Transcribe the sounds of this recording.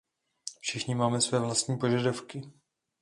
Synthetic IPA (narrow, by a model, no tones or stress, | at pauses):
fʃɪxɲɪmaːmɛsvɛːvlast̪ɲiːpo̞ʒadafkɪ